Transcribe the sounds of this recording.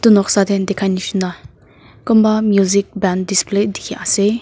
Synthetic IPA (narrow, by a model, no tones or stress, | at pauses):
t̪unɔksad̪end̪ekʰajniʃunda | kɔmbamjuzik̚bɛndispled̪ikʰiʔase